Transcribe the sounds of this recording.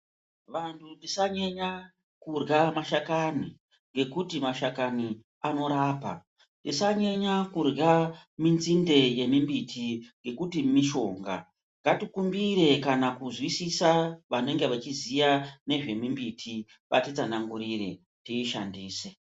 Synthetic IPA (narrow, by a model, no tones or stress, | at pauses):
ʋantʰunisaɲeɲa | kurɡamaʃakani | ŋɡe̞kutimaʃakani | ano̞ɾaːpa̰ | ntdisaɲeɲakurɡaminzinde̞je̞mimbitʰiŋɡe̞kutimiʃo̞ːŋɡa̰ | ŋɡatikumbiɾe̞kanakuzwisisaʋane̞ŋɡe̞ʋat͡ʃizijane̞ʐe̞mimbitʰi | ʋa̰tit͡sanaŋɡuɾire̞ | tiːʃa̰ndiːse